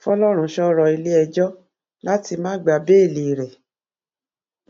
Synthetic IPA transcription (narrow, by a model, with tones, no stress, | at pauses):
fɔ˦lɔ˦ɾ̃ũ˧˦ʃɔ˦ɾɔ˧i˧li˦ɛ˧d͡ʒɔ˦ | la˦ti˧mãː˦ɡ͡ba˧be˦i˦˨li˨ɾe˨